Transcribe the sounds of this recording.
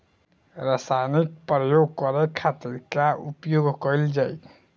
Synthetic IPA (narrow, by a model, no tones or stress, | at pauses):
ɾasanik̚pɾəjoɡkɔɾɛkʰːat̪iɾkaʔupjoɡʱkəjld͡ʒaj